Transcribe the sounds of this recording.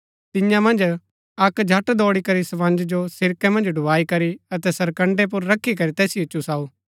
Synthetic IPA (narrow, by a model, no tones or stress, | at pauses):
t̪ɪ̃jãmɐ̃nd͡ʒ | ɐkd͡ʒʱɐʈd̪ɔːɽikɐɾisɐʋɐ̃nd͡ʒd͡ʒosɪɾkɛmɐ̃nd͡ʒɖʱʊʋaːikɐɾiɐt̪ɛsɐɾkɐ̃ɳɖep̬ʊɾːɐkʰːik̬ɐɾit̪ɛːsiʊt͡ʃːusaːu